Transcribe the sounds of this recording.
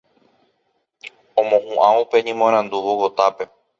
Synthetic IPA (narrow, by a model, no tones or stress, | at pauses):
õmõhũʔãupe̞ɲĩmõɾ̃ãnd̪uʋowot̪ape̞